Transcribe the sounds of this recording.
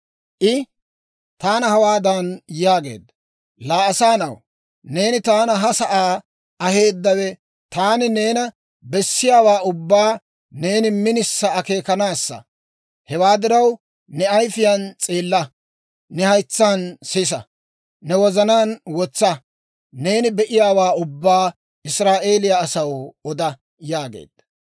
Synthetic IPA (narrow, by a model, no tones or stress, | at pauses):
ʔɪ | t̪aːnɐhɐwaːd̪ɐnjaːɡe̞̰ːd̪ːɐ | laːɐsaːnɐw | ne̞ːnɪt̪aːnɐɦɐsɐʔaː | ɐhe̞ːd̪ːɐwɛ | t̪aːnɪne̞ːnɐ | bɛsːɪjaːwaːʊbːaː | ne̞ːnɪmɪnɪsːɐːke̞ːkɐnaːsːɐ̰ | hɛwaːd̪ɪɾɐw | nɛɐjfɪjant͡sʼeːlːɐ | nɛhɐjt͡sːaːnsis̬ɐ | nɛwɔzɐnaːnwɔt͡sːɐ | ne̞ːnɪbɛʔɪjaːwaːʊbːaː | ɪsɾaːʔe̞ːlɪjɐːsɐwɔd̪ɐ | jaːɡḛːd̪̥ːɐ̥